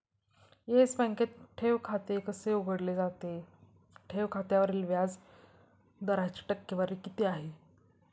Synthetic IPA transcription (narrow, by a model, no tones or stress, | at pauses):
jesbə̃ŋket̪̚ʈʰeʋkʰat̪ekəseuɡəɽled͡zat̪e | ʈʰeʋkʰat̪jaʋəɾiːlʋjad͡z | d̪əɾajt͡ɕi̥ʈəkːjəʋəɾikit̪eaɦe